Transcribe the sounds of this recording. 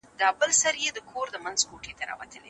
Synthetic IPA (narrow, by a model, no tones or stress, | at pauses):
d̪ɑbəlsaɾjed̪əkʰoɾd̪əmanzkoʈet̪aɾɑ̰wa̰t̪əlḛ